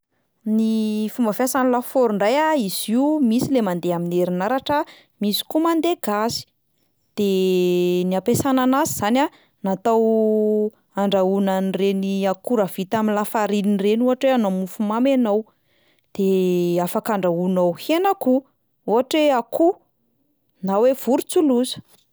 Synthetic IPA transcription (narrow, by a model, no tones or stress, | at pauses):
nifumbafasanilafoɾuɳɖ͡ʐajaiziumisilemand̪eamineɾinaɾaʈ͡ʂa | misi̥kumand̪eɡasi̥ | d̪̥e | niapesananazizana | nat̪aw | aɳɖ͡ʐaunanreniakuɾav̥it̪aminlafaɾininrenuɦaʈ͡ʂweanomufumamenow | d̪̥eafakaɳɖ͡ʐaunowhenaku | uɦaʈ͡ʂeakʰu | nawev̥uɾut͡suluzə̥